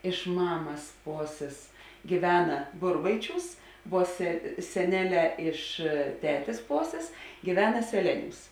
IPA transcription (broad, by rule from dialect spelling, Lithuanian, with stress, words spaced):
ɪʃ ˈmɑːmɐs ˈpoːsʲeːs ɡʲiːˈʋʲæːnɐ ˈbʊrbɐɪˌt͡ʃʲuːs ʋuɔ sʲɛ sʲɛˈnʲæːˌlʲɛː ɪʃ ˈtʲæːtʲeːs ˈpoːsʲeːs ɡʲiːˈʋʲæːnɐ sʲɛˈlʲæːˌnʲuːs